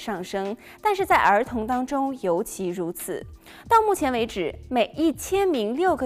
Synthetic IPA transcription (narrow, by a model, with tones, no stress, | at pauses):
ʂɑ˥˩ŋʂɤ˥ŋ | t̪a˥˧nʂɻ̩˥˧t͡sa˥˩ɪʔə˞˧˥t̪ʰʊ˧˥ŋt̪ɑ˥ŋʈ͡ʂʊ˥ŋjo˧˥ʊt͡ɕʰi˧˥ɻu˧˥t͡sʰɹ̩̰˨˩˦ | t̪ɑ˥˧ʊmu˥˩t͡ɕʰjɛ˧˥nwe˧˥ɪʈ͡ʂɻ̩˨˩˦me˨˩ɪʔi˥˩t͡ɕʰjɛ˥nmi˧˥ŋljo˥˩ʊɡə˨˩